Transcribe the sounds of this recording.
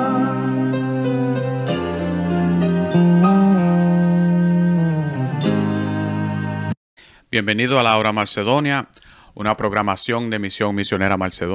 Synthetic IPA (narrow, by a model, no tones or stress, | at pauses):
b̥je̞mbe̞niðoalaoɾamalseðo̞nja | ṵnapɾo̞ɣɾamasjo̞nd̪e̞misjo̞ŋmisjo̞ne̞ɾamalseðo